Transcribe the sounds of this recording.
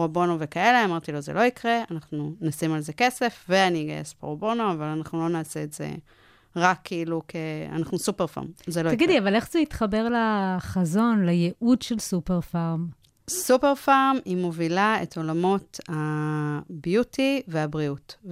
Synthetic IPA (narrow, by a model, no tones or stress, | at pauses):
ʁobonovekaeleamaʁt̪ilo̞zelo̞ikʁeanaχnunasimalze̞ke̞sefveaniɡa̰jesbḛʁobo̞noavalanaχnulo̞naːseːtz̥e̞̰ | ʁakʰːeilukʰea̰naχnusupeʁfa̰ʁmzelotaɡidliavale̞χzeitχɐbe̞ʁlaχazo̞nlajeʔudʃelsupeʁfaʁm | supeʁfaʁmimo̞vilaḛto̞lamo̞tha | bjutiveabʁiut